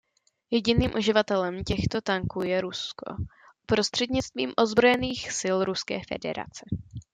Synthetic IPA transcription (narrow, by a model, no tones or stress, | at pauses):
jɛɟɪniːmʔuʒɪvat̪ɛlɛmcɛxt̪o̞t̪aŋkuːjɛɾusko̞̰ | pɾo̞st̪r̥ɛd̪ɲɪt͡st̪vḭːmʔo̞zbɾo̞jɛniːxsɪlɾuskɛ̰ːfɛ̰dɛ̰ɾa̰t͡sɛ